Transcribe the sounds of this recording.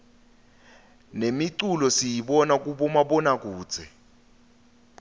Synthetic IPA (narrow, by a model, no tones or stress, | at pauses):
nemiǀulɔsijiɓɔnak̬ʼuɓɔmaɓɔnak̬uːd̥z̥ʱɛ